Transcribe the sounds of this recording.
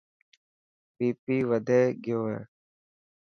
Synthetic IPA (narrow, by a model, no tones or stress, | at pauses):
piːpiːʋəd̪ʱeːɡɪjoːɦḛː